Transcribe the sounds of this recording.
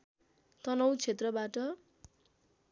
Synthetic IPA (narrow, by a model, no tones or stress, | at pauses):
t̪ʌnʌwt͡sʰet̪rʌbaʈʌ